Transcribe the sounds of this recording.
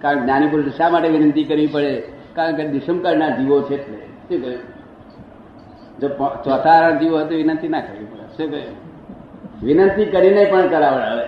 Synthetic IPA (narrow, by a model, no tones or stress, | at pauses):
kaɾəɳkenjanipuɾɖəʃamaʈeʋinənt̪ikəɾʋipəɽekaɾəɳked̪iʃəmkəɾɳaɾd͡ʒiʋot͡ʃʰet̪e | ekə | d͡ʒopt͡ʃɔt̪ʰaɾand͡ʒiʋoɦet̪̬oʋinənt̪inakəɾʋipəɭesekə | ʋinənt̪ikəɾinəipəɳkəɾaʋəɭaʋe